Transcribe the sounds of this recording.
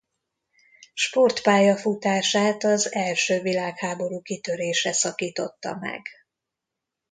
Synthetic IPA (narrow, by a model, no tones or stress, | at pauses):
ʃpo̞rt̪paːjɒfut̪aːʃaːt̪ɒzɛlʃøːvilaːkhaːbo̞ɾuːkit̪ø̞ɾeːʃɛsɒkiːt̪o̞t̪ːɒ̰mɛ̰ɡ